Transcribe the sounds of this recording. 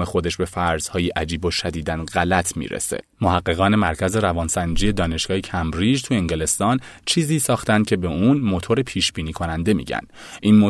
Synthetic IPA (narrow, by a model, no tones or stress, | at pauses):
mexo̞d̪e̞ʃbe̞fæɾz̥hɒːjiʔæd͡ʒiːboʃæd̪iːd̪ænɣælæt̪ʰmḭɾḛse̞̰mohæɣːe̞ɣɒːne̞mæɾcʰæze̞ɾævɒːnsænd͡ʒiːje̞d̪ɒːne̞ʃɡ̥ɒːhecʰæmbɾid͡ʒt̪ʰueŋɟele̞st̪ɒːnt͡ʃʰiːziːsɒːxt̪ænd̪̚cʰe̞be̞unmo̞t̪ʰo̞ɾepʰiːʃb̥iːniːkʰo̞nænd̪e̞mḭɟæ̰n | ʔinmo